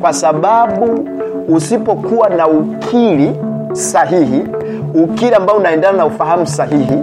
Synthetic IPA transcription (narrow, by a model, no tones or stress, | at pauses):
kwasaɓaɓuː | sipɔkuwanaukʰili | saɦiɦi | ukiliambaɔunaɛndananaufaɦamusaɦiɦi